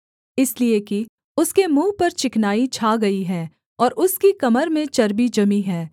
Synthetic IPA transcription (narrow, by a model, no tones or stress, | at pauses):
ɪslieki | ʊskemũːpɐɾt͡ʃɪknaːit͡ʃʰaːɡɐiɦɛː | ɔːɾʊskikɐməɾmẽt͡ʃɐɾbid͡ʒɐmiɦɛː